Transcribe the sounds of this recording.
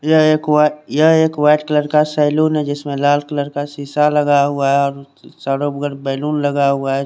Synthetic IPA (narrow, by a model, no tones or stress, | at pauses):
jəeːkwajɐɦeːkwaːɪʈkələɾkasaːɪluːnɦɛd͡ʒɪsmẽlaːlkələɾkasiːsaləɡaɦʊaɦɛɔːɾ | saːɽobɡəɽbɛːluːnləɡaɦʊaɦɛ